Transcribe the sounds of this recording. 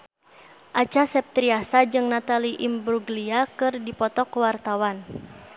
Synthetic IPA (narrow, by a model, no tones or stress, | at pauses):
ʔat͡ʃasɛp̚t̪ɾiasad͡ʒɨŋnat̪aliʔimbɾuɡliakɨrdipɔt̪ɔkwart̪awan